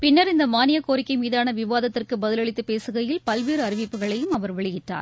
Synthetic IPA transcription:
pɪnːɐɾɪnd̪ɐmaːnɪjɐkoːɾɪkːɐɪmiːðaːnɐʋɪʋaːðɐt̪ːɪrkɯbɐðɪlɐɭɪt̪ːɯpeːsɯɣɐjɪlpɐlʋiːɾɯɐɾɪʋɪpːɯɣɐɭɐjɯmɐʋɐɾʋɛɭɪjɪʈːa̰ːɾ

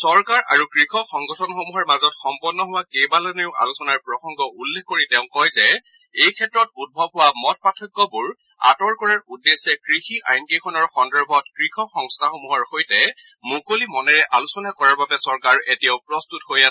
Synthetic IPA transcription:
sɔɹkaɹʔa̰ɹukɹixʰɔxɔŋɡɔtʰɔnxomuɦɔɹmazɔtxɔmpɔnːɔɦʊwakejbalaneʊa̰lusɔnaɹpɹɔxɔŋɡɔʔulːekkoɹitɛʊ̃kɔjzɛ | ejkʰɛtɹɔtud̚bʱɔbɦʊwamɔt̚patʰɔkːɔbuɹ | a̰tɔɹkɔɹaɹudːesːɛkɹixiʔa̰jnkekʰɔnɔɹxɔndɛɹbʱɔtkɹixʰɔxɔŋstʰaxomuɦɔɹxojtɛ | mukolimɔnɛɹɛʔalusɔnakɔɹaɹbabɛsɔɹkaɹetijaʊpɹɔstuthojasɛ

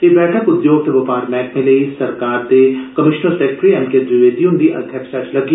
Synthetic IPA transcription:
kibɛːʈʰəkʊd̪joːɡ̚t̪eʋɐpaːɾmɛ̃ːkmẽleisɐɾkaːɾd̪ekɐmɪʃnəɾsekʈɾiɐ̃nked̪ʋɪʋeːt̪iũnd̪iʔɐ̰d̪ʱjəksɐɾt͡ʃlɐɡi

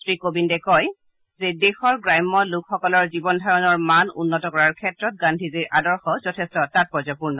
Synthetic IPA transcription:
sɹikobindɛkɔj | zedexɔɹɡɹajmːɔlʊkxɔkɔlɔɹzibɔndʱaɹɔnɔɹmanṵnːɔtɔkɔɹaɹkʰɛtɹɔt̚ɡandʱiziɹʔadɔɹxɔzɔtʰɛstɔtat̚pɔɹzapuɹnɔ

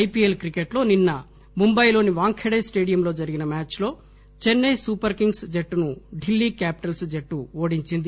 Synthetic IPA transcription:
jpiːelkɾikeʈlo̞ːninːɐ | mumbɐjlo̞ːniʋaːŋkʰeɽɐjsʈeːɽijɐmloːd͡ʒɐɾiɡinɐmaːt͡ʃlo̞ː | t͡ʃenːɐjsuːpɐɾkiŋɡsd͡ʒeʈːunuɖilːiːkaːpi̥ʈɐlsd͡ʒeʈːuoːɽiɲt͡ʃind̪i

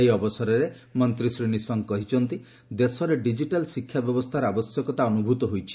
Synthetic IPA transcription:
ejɔbɔsɔɾɔɾe | mɔnt̪ɾisɾinisɔŋkɔɦit͡ʃʰɔnt̪i | d̪esɔɾeɖid͡ʒiʈalsikʰːjabjɔbɔst̪ʰaɾɔabɔsjɔkɔt̪aɔnubʱut̪ɔɦojt͡ʃʰi̥

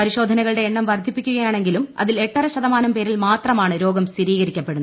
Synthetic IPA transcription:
pɐɾiɕo̞ːd̪ʱɐnɐɣɐɭɽe̞ːɳːɐmʋɐrd̪ʱːipːikʲːuɣɐjaːɳe̞ŋɡilumɐ̰ðile̞ʈːɐrɐɕɐðɐmaːnɐmpe̞ːɾilmaːt̪rɐmaːɳɨɾo̞ːɡɐmst̪iɾiːɣɐɾikʲːɐpːe̞ɽunːɐ

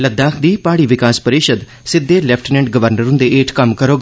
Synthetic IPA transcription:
ləd̪aːkʰd̪iːpaːɽiːʋɪkaːspəɾɪʃəd̪ | sɪd̪ːeːlɛpʰʈnɛ̃ɳʈɡəʋəɾnəɾʊ̃nd̪eːeːʈkəmkəɾoːɡ

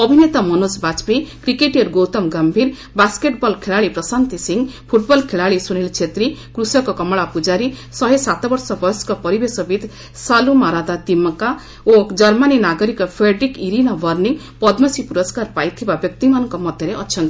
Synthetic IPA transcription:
ʌbʱinet̪amʌnosbat͡spikɾikeʈjʌɾɡowt̪ʌmɡʌmbʱiɾ | baskeʈbʌlkʰeɭaɭipɾʌsant̪isiŋpʰuʈbʌlkʰeɭaɭisuñilt͡ʃʰet̪ɾikɾusʌkokʌmɭapud͡zaɾi | sʌɦesat̪ʰbʌɾsʌbʌskɔpʌɾibesʌbid̪ | salumaɾad̪at̪imʌka | od͡ʒʌɾmaninaɡʌɾikɔpʰɾeɖɾikiɾinʌbʌrniŋ | pʌd̪mʌsipuɾʌskarpajt̪ʰibabjʌk̚t̪imanʌŋkɔmʌd̪ʱjeɾeʔʌtːt͡ʃʰʌnt̪

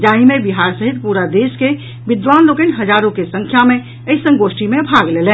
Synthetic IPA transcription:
d͡ʒaɦimẽbiɦaːɾsəɦit̪puɾad̪eske | ʋɪd̪ʋaːnlokenɦəd͡ʒaːɾõkesə̃ŋkʰjamẽ | əisə̃ŋɡosʈimẽbʱaɡleːlɛ̃

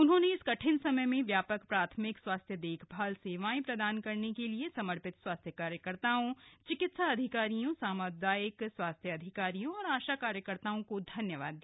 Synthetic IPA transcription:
ʊnɦõneɪskɐʈʰɪnsɐməjmẽʋjaːpəkpɾaːt̪ʰmɪkswaːst̪ʰjəd̪eːkʰbʱaːlseːʋãːĩpɾɐd̪aːnkɐɾnekeliesɐməɾpɪt̪swaːst̪ʰjəkaːɾjəkəɾt̪aːõt͡ʃɪkɪt̪saɐd̪ʱɪkaːɾijõsaːməd̪aːɪkswaːst̪ʰjəɐd̪ʱɪkaːɾijõɔːɾaːʃakaːɾjəkəɾt̪aːõkod̪ʱɐnjəʋaːd̪ːiː

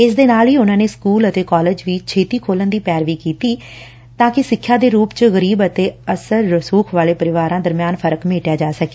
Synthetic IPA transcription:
ɪsd̪eːnaːliːʊnãːneːskuːlət̪eːkɔːleːd͡ʒʋiːt͡ʃʰeːt̪iːkʰoːlənd̪iːpjɛːɾʋiːkiːt̪iː | t̪ãːkɪsɪkʰːjãːd̪eːɾuːpt͡ʃəɣəɾiːbət̪eːəsəɾːəsuːkʰʋaːleːpəɾɪʋaːɾãːd̪əɾmɪjaːnpʰəɾəkmeːʈjaːd͡ʒaːsəkeː

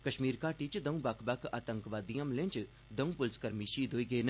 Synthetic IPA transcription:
kɐʃmiːɾkaːʈiːt͡ʃd̪ɐũbakʰbakʰa̰ːt̪əŋkʋaːd̪ijamlẽnt͡ʃ | d̪ɐũpʊlskɐɾmiʃiːd̪ʱoːiɡenɐ

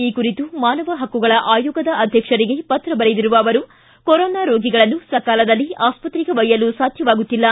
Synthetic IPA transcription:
iːkuɾit̪umaːnɐʋɐɦɐkːuɡɐɭɐʔaːjuːɡɐd̪ɐʔɐd̪ʱjɐkʂɐɾiɡe̞pɐt̪ɾɐbɐɾed̪iɾuʋɐːʋɐɾu | kɔɾɔːnaːɾoːɡiɡɐɭɐnːusɐkaːlɐd̪ɐlːiaːspɐt̪ɾiɡeʋɐjːɐlusaːd̪ʱjɐʋaːɡut̪ːilːɐ

